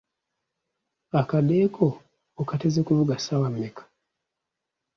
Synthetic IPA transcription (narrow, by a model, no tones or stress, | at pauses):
akadekʰoː | katezekuloɡasawamːekḁ